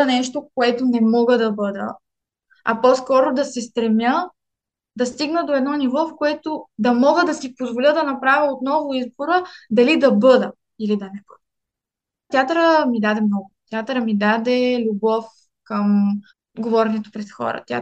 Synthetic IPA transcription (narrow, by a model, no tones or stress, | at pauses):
nɛʃt̪ok̚oɛt̪onɛmɔɡəd̪ɐbɤd̪ə̰ | ɐpɔskɔɾʊd̪ɐsɛst̪ɾɛmjə | d̪ɐst̪iɡnəd̪oɛd̪nɔnivɔfkoɛt̪od̪ɐmɔɡəd̪ɐsipozvolʲəd̪ɐnɐpɾavʲɐot̪nɔvʊizboɾəd̪ɐlid̪ɐbɤd̪ə | ilid̪ɐnɛbəd̪ | t̪ʲjat̪əɾəmid̪ad̪ɛmnɔɡʊt̪ʲjat̪əɾəmid̪ad̪ɛlʲubɔf | kəm | ɡovɔɾɛnɛt̪o̥pɾɛt̪xɔ̰ɾə̰t̪ja̰